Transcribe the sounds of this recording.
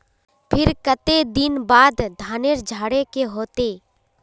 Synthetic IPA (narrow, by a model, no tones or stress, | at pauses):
pʰɪɾkət̪ed̪ɪnbaːd̪d̪ʱaːneɾd͡ʒʱaːɽekeɦoːt̪eː